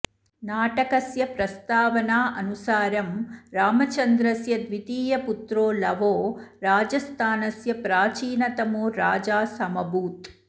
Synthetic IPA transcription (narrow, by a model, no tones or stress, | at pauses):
naːʈɐkɐsjɐpɾɐst̪aːʋɐnaːʔɐnusaːɾɐmɾaːmɐt͡ʃɐnd̪ɾɐsjɐd̪ʋit̪iːjɐput̪ɾoːlɐʋoːɾaːd͡ʒɐst̪ʰaːnɐsjɐpɾaːt͡ʃiːnɐt̪ɐmuːɾaːd͡ʒaːsɐmɐbuːt̪